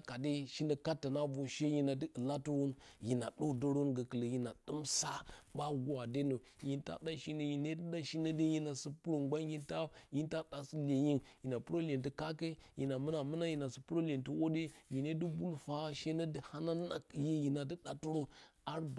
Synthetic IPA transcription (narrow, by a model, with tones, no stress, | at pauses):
ka˨de˦ʃi˦nə˨ka˦tːa˨na˦bo˨ʃe˦ji˦na˨də˦ə˨la˦tu˦wo˦nji˨na˨ɗo˦do˦ɾo˦nɡə˨kə˨lə˨ji˨na˨ɗɨ˦msa˦ba˦ɡu˦wa˨de˦no˨ | ji˦nta̰˦da˦ʃi˦nə˦ji˨ne˦tə˦da˦ʃi˦nə˦de˦ji˦na˨sə˦pu˦ɾu˨ŋɡa˦n˦ji˦nta˦ji˦n˦ta˦ɗa˨si˦le˨ji˦nji˨na˨pu˦ɾo˦le˨nti˦ka˦ke˦ji˨na˨mə˦na˨mə˦na˦ji˨na˨si˨pu˦ɾo˦lʲe˨ntə˦wo˦de˦ji˨ne˦di˦bu˦lfa˦ʃe˦nə˦də˦ha˦na˦na˦kji˦ji˨na˨dɨ˦ɗa˦tu˦ɾo˦a˦ɾb